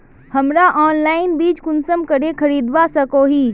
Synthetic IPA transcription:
hɐmɾaʔɔːnlaːɪnbiːt͡ʃkʊnsəmkəɽekʰɐɾiːd̪ʋasɐkoːɦiː

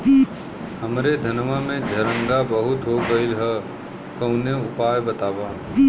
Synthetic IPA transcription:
həmɾed̪ʱənʋamẽd͡ʒʱɐɾə̃ŋɡabəɦʊt̪ɦoɡəilɦɛ | kə̃w̃neʊpaːjbət̪aːbaː

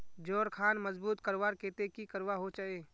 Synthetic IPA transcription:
d͡ʒoːɾkʰaːnməzbuːt̪kəɾʋaːɾkeːt̪ekikəɾwaɦot͡ʃaeː

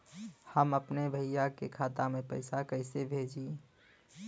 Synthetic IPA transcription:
həməpnebʱəɪjakekʰaːt̪amẽpəɪsakəɪsebʱeːd͡ʒi

